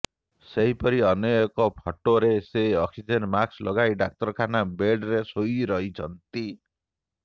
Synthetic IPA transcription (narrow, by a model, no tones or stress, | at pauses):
seɦipɔɾiɔnɔjɔkɔpʰɔʈoɾeseɔksid͡ʒenmakslɔɡajɖak̚t̪ɔɾkʰanabeɖɾesojɾɔɦit͡ʃʰɔnt̪i